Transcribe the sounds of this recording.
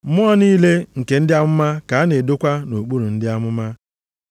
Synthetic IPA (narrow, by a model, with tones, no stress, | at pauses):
mʊ˦ɔ˦niː˦le˦ŋ̩˨ke˨n̩˦dɪ˦a˦mʊ˦ma˦ka˨a˦ne˨do˦kʷa˦no˨k͡pu˦ɾu˨n̩˦dɪ˦a˦mʊ˦ma˦